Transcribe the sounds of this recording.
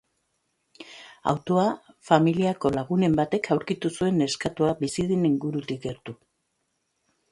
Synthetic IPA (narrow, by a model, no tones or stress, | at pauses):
a̰wt̪o̞a | familiako̞laɣ̞une̞mbat̪e̞kʰawɾkit̪usue̞ne̞skat̪uabisiðeniŋɡuɾut̪ikɡe̞ɾt̪u